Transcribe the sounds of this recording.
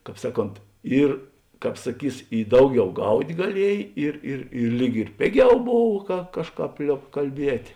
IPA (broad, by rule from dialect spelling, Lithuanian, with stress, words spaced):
ˈkɑːp ˈsɑːˌkoːnt ˈiːr ˈkɑːp sɐˈkʲiːs ɪ ˈdɐʊˌɡʲɛʊ ˈɡɐʊtʲ ɡɐˈlʲiɛj ˈɪr ɪr ɪr ˈlʲiːk ɪr ˈpʲeːˌɡʲɛʊ ˈboːw kɐ ˈkɑːʃˌkɑːp ˈlʲoːp kɐlʲˈbʲiɛtʲ